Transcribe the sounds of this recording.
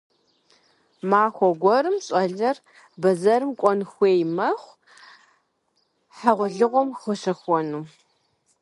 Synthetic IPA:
maːxʷɔɡʷɔɾɨmɕʼɔɮɐr | bɐzɐɾɨmkʷʼɔnxʷeːjmɐχʷ | ħaʁʷʊɮɨʁʷɔmχɨɕɐxʷɔnuː

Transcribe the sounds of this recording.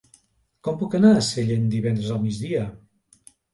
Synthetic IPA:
kɔmpukənaseʎend̪iβɛnd̪ɾəzəlˠmid͡zðiə

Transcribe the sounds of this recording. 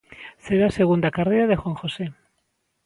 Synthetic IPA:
seðaseɣund̪akarejɾaðexwaŋxose

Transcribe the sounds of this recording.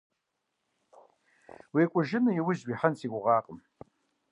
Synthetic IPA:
wiːkʷʼʊʒɪnɨjiwʊzwiħansʰikʷʼʊʁɑːqʼəm

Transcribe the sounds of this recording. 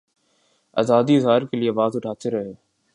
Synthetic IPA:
a̰ːzaːd̪iɪzɦaːɾkeːlieʋaːzʊʈʰaːt͡ʃeɾəɦeː

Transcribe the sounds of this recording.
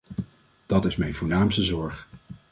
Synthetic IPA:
d̥ɑtɪsmɛjnvʊːɹnaːmstəzɔɹχ

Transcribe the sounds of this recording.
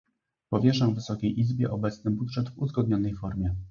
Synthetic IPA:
pɔvʲjɛʂavːɘsɔkʲejʔizbʲjɛʔɔbɛt̪snɘbudʐɛd̪vuzɡɔd̪̚ɲɔnɛjfɔɾmʲjɛ

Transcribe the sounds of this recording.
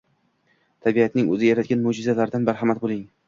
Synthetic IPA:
t̪ʰabiat̪nɪŋɵ̰zɪjaɾat̪̚ɡʲanmʊd͡ʒɪzalaɾɪd̪anbaɾhamat̪̚bolˠɪŋ

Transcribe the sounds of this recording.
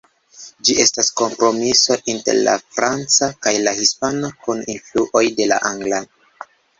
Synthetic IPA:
d͡ʒiʔe̞stasko̞mpɾo̞miso̞ʔinte̞̰ɾla̰fɾant͡sakajlahispanakuninfluʔo̞jde̞la̰ʔaŋɡla

